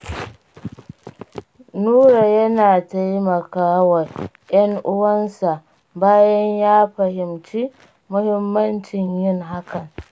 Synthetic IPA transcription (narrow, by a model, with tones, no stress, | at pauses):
nuː˦ɾa˨jɐ˦naː˨ta˦jmɐ˨kaː˦wɐ˨ | j̰ɐ˦ŋʔʊ˦wɐ˦nsa˨ʔ | baː˦jɐ˦ɲjaː˦ɸɐ˨hɪ˨mt͡ʃi˦ | mʊ˦hɪ˦mːɐ˦nt͡ʃɪ˨ɲjɪ˦ŋɦa˦kɐ˨ŋ